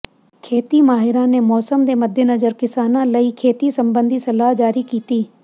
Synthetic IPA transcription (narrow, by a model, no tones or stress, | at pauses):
kʰeːt̪imaːɦɪɾãnemɔːsəmd̪eːmɐd̪ʱjenɐzəɾkɪsaːnãlɐikʰeːt̪isɐ̃mbə̃nd̪ʱisɐlaːɦd͡ʒaːɾikiːt̪iː